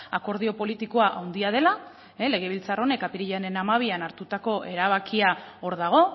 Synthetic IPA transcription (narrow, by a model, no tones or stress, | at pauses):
ako̞ɾð̞io̞po̞lit̪iko̞aʔawnd̪iað̞e̞la | ele̞ɣ̞e̞β̞ilt͡saro̞ne̞kapiɾiʎane̞namaβ̞ianaɾt̪ut̪ako̞ʔe̞ɾaβ̞akiao̞ɾðaɣ̞o̞